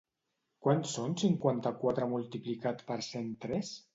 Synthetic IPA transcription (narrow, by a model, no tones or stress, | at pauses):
kwansonsiŋkwant̪akwat̪ɾəmulˠt̪iplikat̪pəɾsent̪ɾɛs